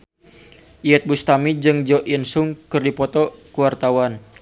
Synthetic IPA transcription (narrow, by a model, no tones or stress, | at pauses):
ʔiɛt̪̚bust̪amid͡ʒɨŋd͡ʒɔʔinsʊŋkɨrdipɔt̪ɔkuwart̪awan